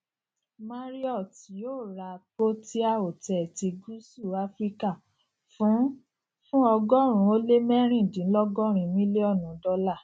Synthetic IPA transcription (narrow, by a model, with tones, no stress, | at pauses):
ma˦ɾi˦ɔ˦˨ti˨˦joː˦˨ɾa˧k͡po˦ti˦a˦˨o˨tɛ˨ti˧ɡu˦su˦˨a˧˦fɾi˦ka˦˨ | fũ˨˦ | fũ˦ɔ˧ɡɔ˦ɾ̃ũ˧˦o˧˦le˦mɛ˦ɾ̃ĩ˦˨dĩ˨˦lɔ˦ɡɔ˦˨ɾ̃ĩ˧˦mĩ˦le˦ɔ˦˨nũ˨˦dɔ˧la˦˨